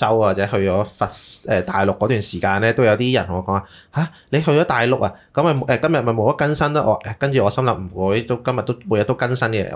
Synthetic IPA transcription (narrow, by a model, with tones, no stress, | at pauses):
sɐ˥wwaː˨˩t͡sɛː˨˥hɵ˧ɥt͡ʃɔː˨˥fɐ˨t̚ɛː˨˩t̪aː˨˩jlʊ˨kːɔː˨˥t̪yː˨˩nsiː˨˩kaː˧nlɛː˥t̪o˥wjɐ˧wt̪iː˥jɐ˨˩nt̪ʰʊ˨˩ŋɔ˨˧˩kɔː˨˥ŋaː˨˩ | haː˨˩ | le˨˧jɦɵ˧ɥt͡ʃɔː˨˥t̪aː˨jlʊ˨k̚ɐ˨kɐ˨˦˥mɐ˨˩˨ʔɛː˨˧kɐ˥mjɐ˨t̚mɐ˨jmo˨˧wpɐ˥t̚kɐ˥nsɐ˥nɐ˥ʔɔː˨˧ʔɛː˨˧kɐ˥nt͡ʃyː˨˩ɔː˨˧sɐ˥mlɐ˨m̚m̩˨˩kuː˨˥jt̪o˥wkɐ˥mjɐ˨t̪̚ːo˥wmu˨˧jɐ˨t̪o˥kɐ˥nsɐ˥nkɛ̰˧